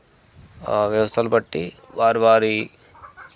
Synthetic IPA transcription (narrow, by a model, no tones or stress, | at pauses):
ʋjɐʋɐst̪ʰɐlbɐʈːiʋaːɾʋaːɾi